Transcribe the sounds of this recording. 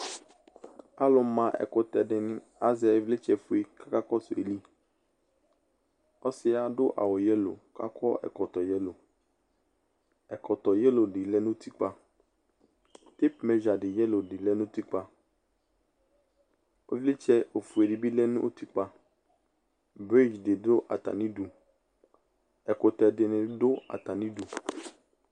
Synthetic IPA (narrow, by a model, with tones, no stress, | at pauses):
a˦lʊ˨˦mã˨ʔɛ̰˨kʊ˦tɛ˨dɪ˨nɪ̃˦ | a˦zɪ˨˦a˨e˨vlɪ˦t͡ʃɛ˨fu˦e˦ka˦ka˦kɔ˦sʊ˨ḛ˨li˦ | ɔ˦sɪ˦a˨dʊ˦ʔa̰˨wɔ˨jɛ˦lo̰˨ka̰˦kʰɔ˦ɛ̰˨kɔ˨t̪ɔ˨jɛ˦lo˨ | ɛ˨kɔ˨tɔ˨jɛ˦lo˨dɪ˨lɛ˦nʊ̃˦ti˦k͡pa˦ | ti˦pmɛ˦d͡ʒa˨dɪ˨jɛ˦lo˨dɪ˨lɛ˦nũ˦ti˦k͡pa˧ | o˦vli˦t͡ʃɛ˦o˨fu˨e˨di˨bi˦lɛ˦nũ˦ʔo˦ti˦k͡pa˧ | bɾi˦d͡ʒdɪ˨dʊ˦ʔa̰˨ta̰˨nĩ˦du˨ | ɛ˨kʊ˨tɛ˨dɪ˨nɪ̃˨dʊ˦a̰˨ta˨nĩ˦du˨